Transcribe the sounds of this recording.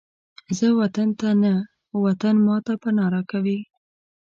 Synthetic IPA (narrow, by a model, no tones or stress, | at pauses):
zəwat̪ant̪ana | wat̪anmɑt̪apənɑɾakawi